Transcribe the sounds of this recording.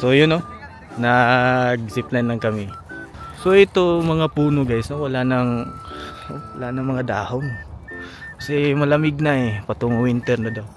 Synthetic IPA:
sojʊno | nɐɡsɪplanlɐŋkɐmɪ | so̞ʔɛt̪omɐŋapuːnoɡajsnowɐlanɐŋ | owɐlanɐŋmɐŋad̪aːhon | kɐsɛmɐlɐmɪɡ̚naɛpɐt̪oŋwɪnt̪ɛɾnod̪aw

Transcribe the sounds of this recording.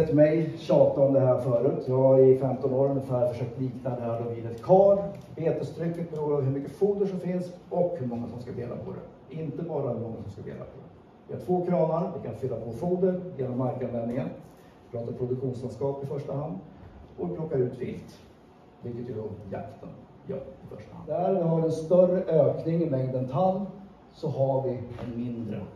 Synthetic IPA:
ɛt̪mɛjɕɑːt̪naɔmd̪ɛɦæːɾfœːɾʉ̟ːt̪ʰjɑːɡaɪfɛmt̪ɔnoːɾɵnəfæːɾfœʂøːk̚t̪liːknad̪ɛhæːɖɔviːd̪ɛt̪kʰɑːɾ | beːt̪əst̪ʰɾʏkːət̪̚bɾuːavɦɵmʏkːəfuːd̪əʂɔmfɪnsɔkhɵmɔŋːasɔmskad̪eːla̰pʰɔ̰d̪ɛ̰ | ɪnt̪əbɑːɾahɵɾmɔŋːasɔmskad̪ḛːla̰pʰɔd̪ɛ | vɪhaʈʰvoːkʰɾɑːnaɾvɪkʰanfʏlːapʰɔfuːd̪əɾjeːnɔmːaɾkanvɛnnɪŋən | ɪpʰɾɑːt̪aɾpʰɾʊd̪ɵkɧuːnslanskɑːpɪfœʂʈahand̪ɔɪpʰlɔkːaɾʉ̟ːt̪vɪ̰lt̪ | vɪlkːət̪jɵd̪ɔja̰kt̪ʰə̰n | jœ̰ːɾɪfœʂʈaha̰nd̪æɾvɪhaɾɛnst̪œrəʔøːknɪŋɪvɛɡd̪ɛnt̪ʰan | sɔhavɪɛnmɪnd̪ɾə̰

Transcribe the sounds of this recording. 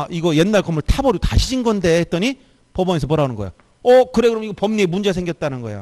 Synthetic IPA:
iɡʌje̞nːaɭkʌmuɭtʰabʌɾiotaɕʰiɕʰinɡʌnde̞et͈̚ʌɲi | pʌbʌɲesʰʌpʌɾanɯnɡʌej̰o | ʌkɯɾeɡɯɾomiɡʌpʌmɲiemund͡ʑesʰeŋɡjʌt̚t͈anɯnɡʌḛo̰

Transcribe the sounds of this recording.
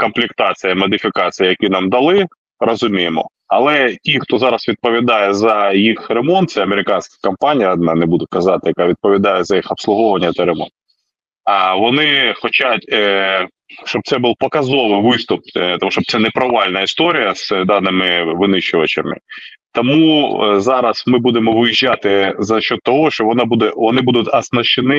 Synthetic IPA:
kɔmplʲikt̪ɑt͡sʲɪjɐmɔd̪ʲɪfʲɪkɑt͡sʲijɐjɐkʲinɑmd̪ɐlˠɪ | rɐzʊmʲijemɔ̰ | ɐlˠɛtʲixt̪ɔzɑɾɐsʋʲid̪̚pɔʋʲid̪ɑjɛzɐjixremɔnt̪̚sɛɐmeɾɪkɑnʲsʲkʲɪkɐmpanʲijɐd̪nɑnɛbud̪ʊkɐzɑt̪ɪjɐkɑʋʲid̪̚pɔʋʲid̪ɑjɛzɐjixɐpslˠʊɦɔʋɐnʲːɐt̪ɛɾemɔ̰nt̪̚ | ɐʋɔnɪxɔt͡ʃatʲ | ʃt͡ʃɔb̚t̪sɛbulˠpɐkɐzɔʋɪjʋɪst̪ʊp̚t̪ɔmuʃɔb̚t̪ɛnɛpɾɐʋɑlʲnɐist̪ɔɾʲijɐz̥d̪ɑnɪmɪʋɪnɪʃʊʋɐt͡ʃɪ̰mɪ̰t̪ɔmṵzɑɾɐsmɪbud̪emɔʋɪjiʒʲːat̪ɪzɐʃt͡ʃːɔd̪̚t̪ːɔɦɔʃt͡ʃɔʋɔnɑbud̪ɛʋɔnɪbud̪ʊtʲɐsnɐʃɪnɪ

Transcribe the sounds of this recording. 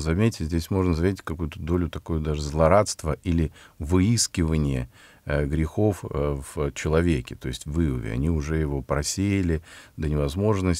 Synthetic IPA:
zɐmʲetʲɪzʲdʲesʲmo̞ʐnəzvʲetʲɪtʲkɐkujʊt̪əd̪o̞lʲʊt̪ɐkujʊd̪aʐɨzlˠɐɾat̪st̪vəʔilʲɪvɨiskʲɪvənʲɪjə | ɡɾʲɪxo̞fv̥t͡ɕɪlˠɐvʲekʲɪt̪o̞ɪsʲtʲvɨʊvʲɪ̰ɐ̰nʲiʊʐɛjɪvo̞pɾɐsʲejɪlʲɪd̪ənʲɪvɐzmo̞ʐnə

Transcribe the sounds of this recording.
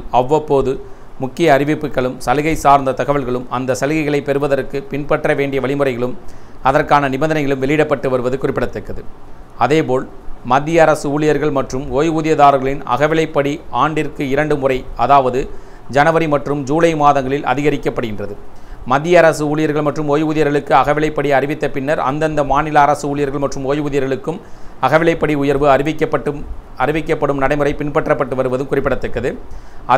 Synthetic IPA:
ɐʋːɐpːoːðɯ | mʊkːɪjɐːrɪʋɪpːɯkːɐɭɯmsɐlɯɣɐɪsaːɾnd̪ɐt̪ɐɣɐʋɐɭɣɐɭɯmɐnd̪ɐsɐlɯɣɐɪɣɐɭɐɪpːɛɾɯʋɐðɐɾkːɯpɪnpɐʈrɐʋeːɳɖɪjɐʋɐɭɪmɯrɐɪɣɐɭɯmɐðɐrkaːnɐnɪbɐnd̪ɐnɐɪɣɐɭɯmʋɛɭɪɪɽɐpːɐʈːɯʋɐɾɯʋɐðɯkʊrɪpːɪɽɐt̪ːɐkːɐðɯ | ɐðeːpoːl | mɐd̪ːɪjɐɐɾɐsɯuːɭɪjɐɾɣɐɭmɐʈrɯmoːjuːðɪjɐðaːɾɣɐɭɪnɐ̰ɣɐʋɪlɐɪpːɐɽiaːɳɖɪrkɯɪɾɐɳɖɯmʊrɐɪɐðaːʋɐðɯ | d͡ʒɐnɐʋɐɾimɐʈrɯmd͡ʒuːlɐɪmaːðɐŋɡɐɭɪlɐ̰ðɪɣɐɾɪkːɐpːɐɽɯɣɪndrɐðɯmɐd̪ːɪjɐɐɾɐsɯuːɭɪjɐɾɣɐɭmɐʈrɯmoːjʋuːðɪjɐɾɣɐɭɯkːɯɐɣɐʋɪlɐɪpːɐɽiɐrɪʋɪt̪ːɐpɪnːɐɾɐ̰nd̪ɐnd̪ɐmaːnɪlɐːɾɐsɯuːɭɪjɐɾɣɐɭmɐʈrɯmoːjʋːðɪjɐɾɣɐɭɯkːɯmɐɣɐʋɪlɐɪpːɐɽiʊjɐɾʋɯɐɾɪʋɪkːɐpːɐʈːɯ | ɐɾɪʋɪkːɐpːɐɽɯmnɐɽɐɪmɯrɐɪpɪɳpɐʈrɐpːɐʈːɯʋɐɾɯʋɐðɯmkʊrɪpːɪɽɐt̪ːɐkːɐðɯɐ

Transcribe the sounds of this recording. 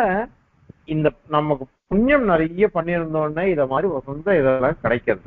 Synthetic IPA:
ɐ | ɪnd̪ɐnɐmːɐkːɯpʊɲjɐmnɪɾɐjɐpɐɳːɪɾɯnd̪oːnːɐːɪðɐmaːd̪ɾiʋɐsɐnd̪ɐɪðɛlːãːkɪɽɐɪkːɯɾɐðɯ

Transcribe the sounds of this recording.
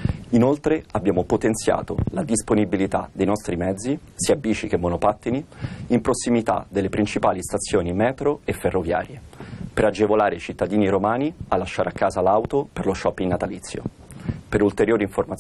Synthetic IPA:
inolt̪ɾeabːjaːmopot̪ent̪sja̰ːt̪o̰lad̪isponibilit̪a̰d̪ejnɔst̪ɾimɛd̪zːi | siːabiːt͡ʃikemːonopat̪ːiniːmpɾosːimit̪a̰d̪elːepɾint͡ʃipaːlist̪at̪sːjoːnimɛːt̪ɾoefːerːovja̰ːɾjepeɾad͡ʒevolaːɾeit͡ʃit̪ːad̪iːniɾomaːnialːaʃːaːɾeakːaːzalawt̪operloʃːɔpːinːat̪alit̪sːjo̰ | peɾult̪eɾjoːɾiɱformat

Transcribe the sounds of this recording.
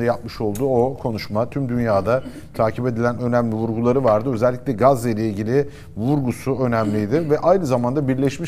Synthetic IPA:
ajap̚mɯʃo̞lˠd̪uːo̞kʰo̞nuʃmat̪ʰymd̪ynjaːd̪a | t̪ʰaːcʰipe̞d̪ilʲænø̞næmlʲivuɾɡulˠaɾɯvaɾd̪ɯø̞zɛlʲːicʲlʲɛɡazajlʲeilʲɟilʲɪ | vuɾɡusuø̞næmlʲijd̪ɪvɛʔajnɯzamand̪abiɾlʲɛʃmi

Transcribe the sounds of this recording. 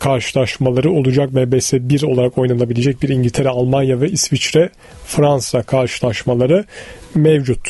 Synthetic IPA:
kʰaɾʃɯ̥lˠaʃmalˠaɾɯo̞lˠud͡ʒak̚mɛvbɛsɛbiɾo̞lˠaɾako̞jnalˠabilʲed͡ʒɛc̚biɾiɲɟilʲt̪ʰe̞ɾɛalˠmanjavɛisvit͡ʃɾɛ | fɾansakʰaɾʃɯlˠaʃmalˠaɾɯmɛvd͡ʒut̪

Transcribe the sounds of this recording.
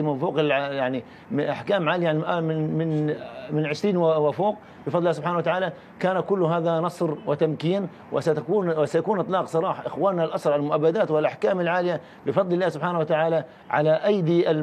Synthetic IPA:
mfuːqɪljaʕni | ɪʔaħkaːmʕaːlɪjaʔmɪmɪnmɪnʕɪʃɾiːnwafuːq̚ | bɪfɑd̪ˤlːaːsʊbħaːnawat̪aʕaːla | kaːnakʊlːʊɦaːðanɑsˤɾwɪt̪amkiːn | wɪ̰sat̪akuːnwɪsajakuːnʔɨt̪ˤlɑːqsˤɑɾˤɑːħaʔɪxwaːnːalʔɑsˤɾˤʕallmʊʔabːad̪aːt̪wɪlʔaħkaːmalʕaːlɪja | bɪfɑd̪ˤlɪlːaːhsʊbħaːnawat̪aʕaːla | ʕa̰laʔajd̪iʔa

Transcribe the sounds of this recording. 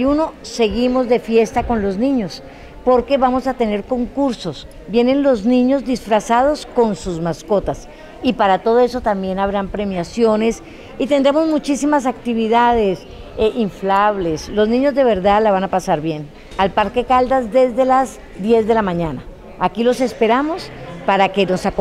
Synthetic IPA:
juno̞se̞ɣimo̞zd̪e̞fje̞st̪ako̞nlo̞znĩɲo̞s | po̞ɾke̞βamo̞sat̪e̞ne̞ɾko̞ŋkuɾso̞s | bje̞ne̞nlo̞znĩɲo̞zd̪isfɾasað̞o̞sko̞nsuzmasko̞t̪as | ipaɾat̪o̞ðo̞e̞so̞t̪ambje̞naβɾampɾe̞mjasjo̞ne̞s | it̪e̞nd̪ɾemo̞zmut͡ʃisimas̬ak̚t̪iβiðað̞e̞s | ʔiɱflaβle̞slo̞znĩɲozd̪eβe̞ɾðaðlaβanapasaɾβje̞n | alpaɾke̞kald̪azd̪e̞zd̪e̞laz | d̪je̞zd̪e̞lamãɲana̰ | akilo̞se̞spe̞ɾamo̞spaɾake̞no̞sak

